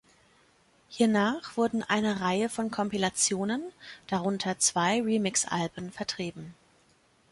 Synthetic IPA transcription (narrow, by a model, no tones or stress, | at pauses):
hiːɐnaːχv̥ʊɐdn̩ʔa̰ɪnəʁaɪəfɔnkʰɔmpilat͡sjoːnənd̥aʁʊntʰɐt͡sv̥aɪʁiːmɪksʔa̰lbənfɛɐtʁ̥iːbm̩